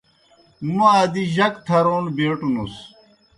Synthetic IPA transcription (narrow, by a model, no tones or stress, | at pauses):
maːd̪iʑɐkt̪ʰɐɾoːnbeːʈunus